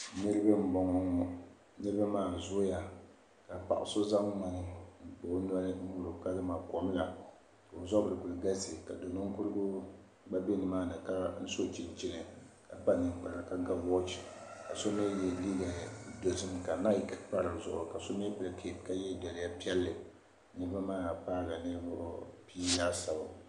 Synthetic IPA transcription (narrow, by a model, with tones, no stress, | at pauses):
nɨ˦ɾɨ˦ba˦m̩˦bɔ˨ŋɔ˨ŋɔ˨ | nɨ˦ɾba˦maː˦˨zʊ˦ja˨ | ka˨pa̰˨ʔʊ̰˨so˦za˦ŋ˦ma˨nɨ˦n̩˦pʊ˨ʔna˦ɾɨ˦u˦ɾʊ˨ka˦lɨ˦maː˨kɔ˨m˦la˨ | ka˨o˨zɔ˦bɨ˨ɾɨ˨ku˨lɡa˦sɨ˨ka˨do˨nɨ˦ŋ˦ku˦ɾɨ˦ɡʊ˦ | ɡ͡ba˦be˦nɨ˨maː˦nɨ˨ka˦n̩˦so˦t͡ʃi˨n˨t͡ʃi˦nɨ˨ka˨pa˦nɨ˨ŋ˨k͡pa˨la˨ka˦ɡa˦wɔ˦t͡ʃi˨ka˨so˦me˦jɛ˦li˦ɡa˨do˨zɨ˦mka˨na˦i˨˦kpa˦ɾɨ˨zʊ̰˨ʔʊ̰˨ka˨so˦me˦pɨ˨lkʰe˨p̚ka˦jɛ˦dɛ˨lɪ˨˦ja˦pi˦ɛ˦lːɨ˨˦ | nɨ˦ɾɨ˦ba˦maː˦˨paː˦ɡa˨nɨ˦ɾɨ˦ba˦ʔo˦piː˦jaː˦sa˨ba˨